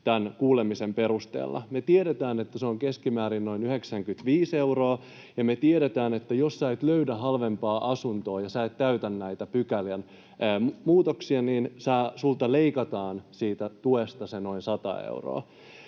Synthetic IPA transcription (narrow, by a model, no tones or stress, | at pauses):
t̪ænkuːlemisempe̞ɾust̪ḛːlːɑ̰met̪ieɾet̪æːnet̪ːæseoŋkeskimæːɾinno̞inyheksæŋkyt̪ʋiːsewroː | jɑmet̪ieɾet̪æːnet̪ːæjossɑet̪løydæɦɑlʋempɑːʔɑsunt̪o̞ːjɑsæet̪tæyt̪ænːæit̪æpykæljænː | mmuːt̪oksiɑniːnsɑːsult̪ɑleikɑt̪ɑːnsiːt̪æt̪uest̪ɑseno̞insɑt̪ɑ̰ḛuro̰ː